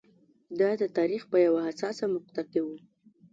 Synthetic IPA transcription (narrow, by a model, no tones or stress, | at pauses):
d̪ɑd̪ət̪ɑɾixpəjawaɦasɑsamʊq̚t̪at̪̚ewu